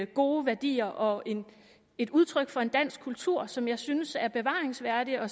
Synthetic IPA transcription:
ɡ̥o̝ːʋæɐd̥ḭːɐʔɒ̽e̝n | e̝d̥uð̞ˠt͡sʰʁœɡ̥fɒ̽e̝nd̥æn̰sɡ̥kʰːult͡sʰuɐ̰sɒ̽mjɑ̈ɪsynəsæɐb̥e̝ʋɑ̰̈ːʁeŋsʋæɐd̥iɒ̽

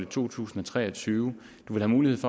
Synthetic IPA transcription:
lət͡sʰo̝̰ːt͡sʰṵːsn̩ɒ̽t͡sʰʁɛ̰ːɒ̽t͡sʰyːʊ | d̥uʋe̝lhæmuːlihe̝ð̰ˠfɒ

